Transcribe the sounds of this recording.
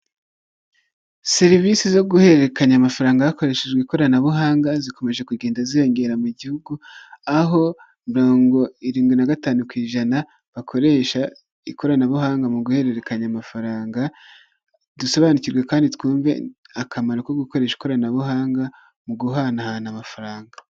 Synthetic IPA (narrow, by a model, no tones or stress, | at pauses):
seɾivisizo̞ɡuhe̞ɾe̞kaɲamafaɾaːŋɡahako̞ɾe̞ʃed͡ʒɡweko̞ɾanaβuɦaːŋɡaziko̞me̞ʒe̞kuɡeːndazijo̞ŋɡe̞ɾamuɟihuɡuaɦo̞ | miɾo̞ːŋɡo̞iɾiːŋɡwinaɡataːnukwiːʒana | βakʰo̞ɾe̞ʃa | iko̞ɾanaβuhaːŋɡamuɡuhe̞ɾe̞ɾe̞kaɲamafaɾaːŋɡa | dusoβaniciɾɡwe̞kaːnditkuːɱve̞̰ | akʰamaɾokoɡuko̞ɾe̞ːʃi̥ko̞ɾanaβuhaːŋɡa | muɡuɦanahanamafaɾaːŋɡa